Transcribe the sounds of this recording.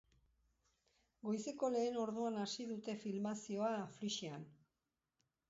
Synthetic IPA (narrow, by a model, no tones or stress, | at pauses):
ɡo̞jse̞ko̞le̞ːno̞ɾð̞uanasiðut̪e̞filmasio̞afliʃian